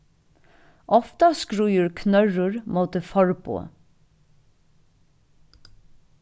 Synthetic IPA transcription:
ʔɔft̪ɑskɹʉːjʉɹkʰnœɹʊɹmoːt̪əfɔɹpʰo̰ː

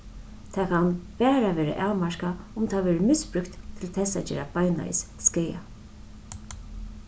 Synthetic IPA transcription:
t̪ʰaːkʰanpɛːɾaʋɛːɾa̰ʔaːwmaɹkaʊmt̪ʰaʋɛːɾəmɪspɹʏkt̪tʰːɪlt̪ʰɛsa̰d͡ʒɛ̰ːɾabaːjna̰ɪ̰sskeːja̰

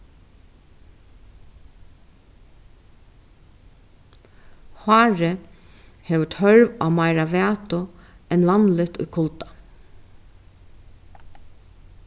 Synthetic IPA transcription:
haːɹɪ | heːʋət̪ʰœɹʋa̰maɪɾaʋaːt̪ʊɛnʋɑnlɪt̪ʊ̰jkʰʊlt̪ḁ

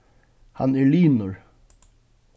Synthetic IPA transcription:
hɑ̰næːɭyːnʊɹ

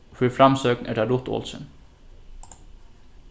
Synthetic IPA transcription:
fœɾfɾamsøːknæ̰ɖaɾʊt̪o̰ːlsə̰n

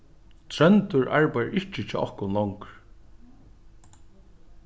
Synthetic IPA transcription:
t̪ʰɾœnt̪ʊɹʔa̰ɹpajə̰ɹʔɪht͡ʃɪt͡ʃa̰ʔɔhkʊnlɔŋkɾ

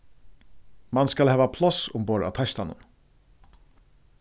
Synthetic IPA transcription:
manskalɦhɛːvapʰlɔsʊmboːɾa̰t̪ʰast̪anʊ̰n

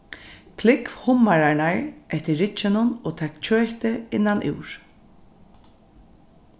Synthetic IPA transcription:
kʰlɪkhʊmːaɹanaɹɛht̪ɪːɪt͡ʃːɪnʊnoːt̪ʰɛːkt͡ʃʰøːht̪ɪɪnːanʔɪ̰wɹ

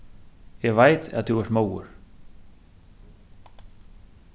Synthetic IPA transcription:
jɛɣvaːjt̪a̰ðt̪ʰuvɛɾt̪moːwʏ̰ɾ̥

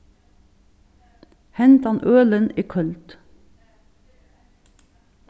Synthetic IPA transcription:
hɛnt̪ɑnʔøːləniːkʰœlt̪

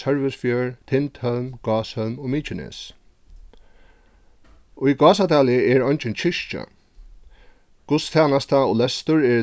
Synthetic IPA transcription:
sœɹvɪsfjœːɹt̪ʰɪnt̪hœlmɡ̥ɑːshœlmɔmiːt͡ʃɪnɛ̰s | ʊjɡɑːsat̪aːlɪəɛɹɔɲt͡ʃɪnt͡ʃʰɪʂt͡ʃa̰ | kʊst̪ʰaːnast̪aɔlɛst̪ʊɹɛɹ

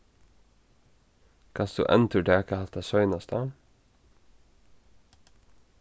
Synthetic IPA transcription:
kʰɑnsd̪̥ʉ̰ːʔɛ̰nt̪ʰʉːɖɛːɛkəhɑt̪ɑsœʏnɑst̪ʰɑː

